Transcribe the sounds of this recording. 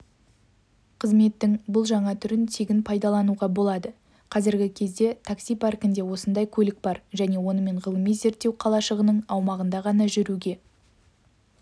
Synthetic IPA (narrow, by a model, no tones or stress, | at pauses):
qʰəzme̞t̪ːɪŋbʊlˠʒɑɴɑt̪ʰʏɾɪnt̪ʰeɡʲɪnpʰɑjd̪ɑlˠɑnuʁɑbo̞lˠɑd̪ə | qʰɑzɪɾɡʲɪkʲʰe̞zd̪e̞t̪ʰaksijpʰarkʲɪnd̪e̞wo̞sənd̪ɑjkʲʰɵlɪk̚bɑɾʒæne̞wo̞nəme̞ɴʁəlˠəmij̪ze̞ɾt̪ːe̞wqʰɑlˠɑʃəʁənəɴɑwmɑʁənd̪ɑʁɑnɑʒʏɾuɡʲe̞